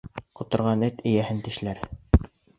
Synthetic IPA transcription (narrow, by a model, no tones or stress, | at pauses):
qŏt̪ŏɾʁɑnɘt̪ɘ̆jæhɘnt̪ɘ̆ʃlæɾ